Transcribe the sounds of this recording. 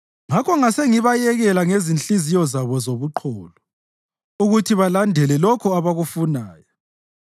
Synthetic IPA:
ŋakʰɔŋaseŋiβajɛɣɛlaŋezint͡ɬizijɔzaβɔzoβuǃʰɔːlɔ | uɣutʰiβalandʱɛlɛlɔkʰɔaβaɣufunaːjɔ

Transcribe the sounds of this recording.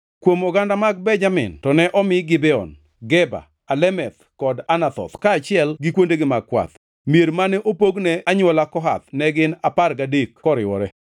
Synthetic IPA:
kwomɔɡandamaɡ̚bɛɲd͡ʒamɪ̰ntɔnɛʔɔmɪɡɪbɛɔ̰n | ɡɛba̰ | alɛmɛt̪ | kɔdanat̪ɔ̰t̪kaːt͡ʃɪɛlɡɪkwondeɡɪmaɡ̚kwa̰t̪ | mieɾmanɛʔopoɡnɛaɲwɔlakɔɦa̰t̪nɛɡɪnaparɡadekkɔɾɪwɔɾɛ

